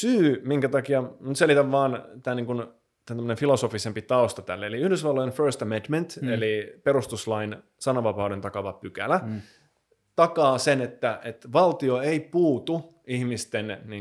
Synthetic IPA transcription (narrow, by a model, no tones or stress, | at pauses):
syːmiŋkæt̪ɑkiɑmut̪selit̪æʋʋɑːnt̪æːniːŋkun | t̪ænt̪æmːø̆ənenfilosofisempit̪ɑost̪ɑt̪ælːeeliyhdysʋɑlːojenførst̪æmed̪ment̪elipeɾust̪uslɑin | sɑnɑʋɑpɑudent̪ɑkɑʋɑpykæ̰læ | t̪ɑkɑːsenet̪ːæʔet̪ʋɑlt̪ioeipuːt̪u | ihmist̪enni